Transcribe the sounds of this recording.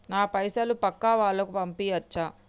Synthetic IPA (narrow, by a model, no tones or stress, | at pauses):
naːpɐjsɐlupɐkːaʋaːɭːɐkupɐmpiːɐt͡ʃːa